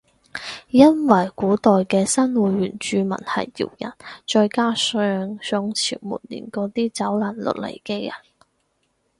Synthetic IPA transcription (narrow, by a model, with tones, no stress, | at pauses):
jɐ˥nwɐ˨˩jkuː˨˥t̪ɔː˨jkɛː˧sɐ˥nwuː˨˥jɥyː˨˩nt͡ʃyː˧mɐ̰˨˩nhɐ̰˨jːḭː˨˩wjɐ̰˨˩nt͡ʃɔː˧jkaː˥sœː˧ŋsɔ˧ŋt͡sʰḭː˨˩wmṵː˨˩t̚lḭː˨˩nkɔː˨˥t̪iː˥t͡sɐ˨˥wlaː˨˩nlɵ̰˨˩t̚lḛ˨˩jke˥jɐ̰˨˩n